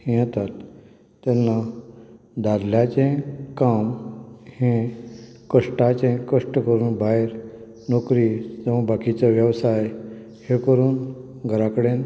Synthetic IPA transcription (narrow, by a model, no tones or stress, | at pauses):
hẽat̪at̪ː | ɛnːa | d̪ad̪ljat͡ɕẽkamhẽkəʂʈat͡ɕẽkəʂʈəkəɾuːnbaiɾ | nokɾid͡zəʋãbakit͡saʋjəʋsaj | hẽkəɾuːnɡʱəɾakɽen